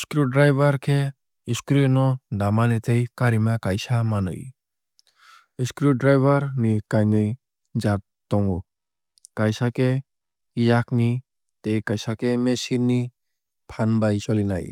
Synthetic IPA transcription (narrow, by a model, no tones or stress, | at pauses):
skɾuɖɾajbaɾkʰe | iskɾinɔdamanet̪ʰejkaɾimakajsamanɯ̰j | iskɾuɖɾajbʱaɾnikajnɯj | d͡ʒat̪ː | ɔŋɡu | kajsake | ijakni | t̪ejkajsakemesini | pʰanbajt͡ʃɔlina̰j